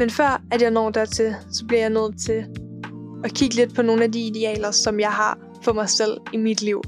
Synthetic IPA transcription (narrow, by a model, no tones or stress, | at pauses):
menfɶɐ̰æd̥jɑ̈ɪnɒ̰ːd̥æɐt͡sʰe̝lsɒ̽b̥liɐjɑ̈ɪnøð̰̩ˠt͡sʰe̝ | ɒkʰiɡ̥əled̥̚pʰɒ̽no̝ːn̩æd̥iːd̥e̝ɛ̰ːlɐsɒ̽mjɑ̈ɪɦɑ̈ | fɒ̽mɑ̈ɪsel̰imid̥liʊ̰